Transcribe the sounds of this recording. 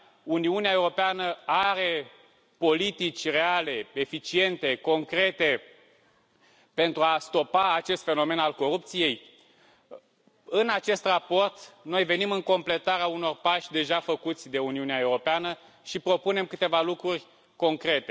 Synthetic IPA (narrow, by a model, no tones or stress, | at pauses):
uniuneaewɾo̞peanəaɾe̞ | po̞lit̪it͡ʃʲre̞ale̞e̞fit͡ʃie̞nt̪e̞ko̞ŋkɾe̞t̪e̞ | pe̞nt̪ɾuast̪o̞paːt͡ʃe̞st̪fe̞no̞me̞nalko̞ɾup̚t̪sije̞j | ɨnat͡ʃe̞st̪rapo̞rt̪no̞jve̞nimɨŋko̞mple̞t̪aɾeauno̞rpaʃʲd̪e̞ʒafəkut̪sʲd̪e̞uniuneae̞wɾo̞peanə | ʃipɾo̞pune̞mkɨt̪e̞valukɾurʲ | ko̞ŋkɾe̞t̪e̞